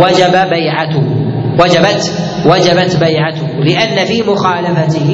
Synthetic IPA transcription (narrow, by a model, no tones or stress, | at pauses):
wad͡ʒababajʕaʊwad͡ʒabat̪ | wad͡ʒabat̪bajʕat̪ʊhlɪʔanːafiːmʊxaːlafat̪ɪ